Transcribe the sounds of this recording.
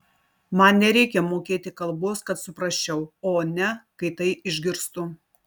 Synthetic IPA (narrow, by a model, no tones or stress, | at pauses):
mɐnnʲɛɾʲɛɪkʲɛmoːkʲeːt̪ʲɪkɐlˠboːskɐt̪sʊpɾɐʃʲt͡ʃʲɛʊoːnʲɛkɐɪt̪ɐɪʔɪʒʲɡʲɪɾst̪ʊ